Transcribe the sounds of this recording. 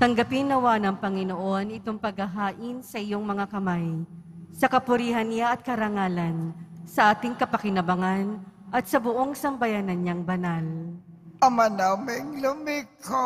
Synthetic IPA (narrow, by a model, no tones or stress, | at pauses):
t̪ɐŋɡɐpɪnːɐwaːnɐŋpɐŋɪnoʔo̞nɪt̪o̞ŋpɐɡhɐɦaːʔɪnsɐʔɪjo̞ŋmɐŋakɐmajsɐkɐpʊɾiːhɐnːɪaʔɐt̪̚kɐɾɐŋaːlɐnsɐʔaːt̪ɪŋkɐpɐkɪnɐbɐŋanʔɐt̪̚sɐbʊʔo̞ŋsɐmbɐjaːnɐnɲaŋbɐnal | ɐmanamɪŋlʊmiko